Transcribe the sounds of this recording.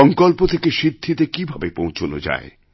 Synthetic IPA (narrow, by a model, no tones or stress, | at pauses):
ɔŋkolpot̪ʰekeʃid̪ʱːit̪ekibʱabepõw̃t͡ɕʰono̰d͡ʑa̰e